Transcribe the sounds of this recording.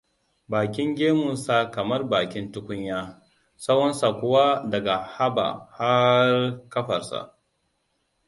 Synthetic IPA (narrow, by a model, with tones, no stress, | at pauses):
baː˨kʲɪ˦ŋɡʲeː˦mʊ˨nsa˨kɐ˨mɐ˦rbaː˨kʲɪ˦ntʊ˦kʷʊ˦ɲjaː˦ | sa˦wɔ˦nsa˨kʷʊ˦wa˦dɐ˨ɡa˨ha˦ba̰˨ha˦rkɐ˦ɸɐ˨rsa̰˨ʔ